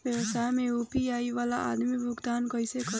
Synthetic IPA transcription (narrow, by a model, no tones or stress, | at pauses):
ʋjəʋəsaːjmẽuːpiaːiʋaːlaʔa̰ːd̪mibʱʊɡd̪aːnkəɪsekə